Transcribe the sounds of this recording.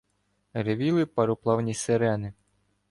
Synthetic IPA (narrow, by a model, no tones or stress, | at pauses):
reʋʲilˠɪpɐɾʊplˠɑwnʲiseɾɛnɪ